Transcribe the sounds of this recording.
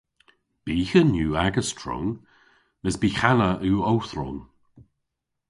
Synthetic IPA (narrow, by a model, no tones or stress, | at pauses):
b̥iːhənjuːaɡəstʰɹɔ̰ŋ | məsbiːxanəʔuːowθɾɔ̰n